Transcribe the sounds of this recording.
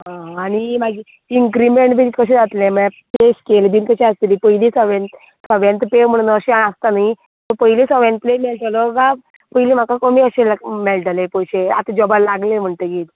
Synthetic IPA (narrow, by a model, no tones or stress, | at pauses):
ɦãañimaɡi | iŋkɾimeɳʈbʱikəɕ̬ẽd͡zat̪lẽməapeskelb̪iːnkəɕɛ̃əst̪iliːpəilisəʋent̪ | səʋjãnt̪pem̤əɽ̃unəːɕeaast̪anai | t̪əpəɦilisəʋjãnt̪plemelʈaloɡa | pəɦiliːm̤akakomiəɕelamelʈalepəjɕea̰t̪ad͡ʑɔbalaɡlem̤əɳt̪eɡiːt̪